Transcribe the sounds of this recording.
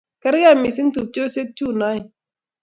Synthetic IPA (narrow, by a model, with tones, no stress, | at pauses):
ka˦ɾja˦˨mi˨si˦ntu˨p̚t͡ʃo˦se˦k̚t͡ʃu˦˨na˦j